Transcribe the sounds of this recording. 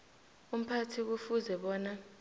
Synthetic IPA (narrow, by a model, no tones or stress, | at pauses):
um̩pʰatʰik̬ufuzɛɓɔːna